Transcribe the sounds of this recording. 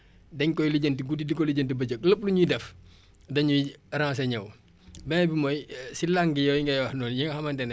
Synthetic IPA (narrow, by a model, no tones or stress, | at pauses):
dɛɲkɔjliɟəntiɡudidikɔliɟəntibɐd͡ʒək̚ləp̚luɲujidɛf | dɐɲujiɾãːs̬ɐɲɐw | bɛbimɔjsilaŋɡijɔwjiŋɡɐjwɐhnɔːnjiŋɡɐhɐmɐntɛn